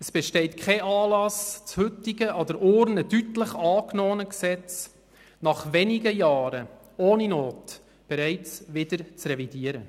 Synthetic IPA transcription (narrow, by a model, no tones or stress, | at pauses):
əsb̥ɛʃtɛɪt̚kʰχɛʔɑːlɑst͡shʉtɪɡəʔɑd̪əɾʔʊːɾnədytləχɑːknɔːənəksɛt͡s | nɑχʋɛniɡəjɑːɾə | oːninoːt | b̥ɛɾæɪt͡sʋɪd̪əɾt͡srɛvidiəɾə